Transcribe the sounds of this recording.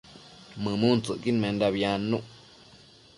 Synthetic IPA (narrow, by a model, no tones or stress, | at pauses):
mɨ̃mũnt͡sɨʔkinmẽnd̪aβjanũʔ